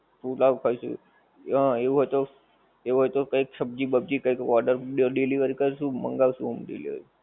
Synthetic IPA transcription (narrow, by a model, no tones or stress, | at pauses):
fulaʋkʰəʃṵ | ɦəeʋũɦojt̪o | eʋuɦojt̪okəikʃəb̚d͡ʒibəb̚d͡ʒikəjkɔɾɖəɾɖɖiliʋəɾikəɾʃũmə̰ŋɡaʋʃũɦumɖḭlḭʋə̰ɾi